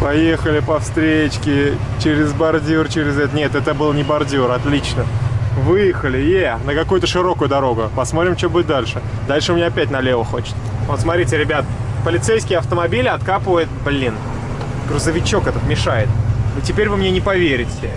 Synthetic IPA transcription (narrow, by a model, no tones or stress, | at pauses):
pɐje̞xəlʲɪpɐfst̪ɾʲet͡ɕkʲɪt͡ɕɪɾʲɪzbɐrdʲirt͡ɕɪɾʲɪzɛt̪ənʲet̪ɛt̪əbɨlˠnʲɪbɐrdʲiɾɐt̪lʲit͡ɕnəvɨjɪxəlʲɪjenəkɐkujʊt̪əʂɨɾo̞kʊjʊd̪ɐɾo̞ɡʊpɐsmo̞t̪ɾʲɪmt͡ɕobuɪt̪̚ʲd̪alʲʂɨ | d̪alʲʂɨmʲɪnʲaɐpʲæt̚ʲnɐlʲevəxo̞t͡ɕɪ̥t̪səvot̪smɐt̪ɾʲitʲɪɾʲɪbʲat̪əpəlʲɪt̪sejskʲɪjəɐft̪əmɐbʲilʲɪɐt̪kapəvəjɪt̪̚blʲin | ɡɾʊzəvʲɪt͡ɕo̞kɛt̪ət̪mʲɪʂajɪt̪ɨtʲɪpʲeɾʲvɨmnʲenʲɪpɐvʲeɾʲɪtʲɪ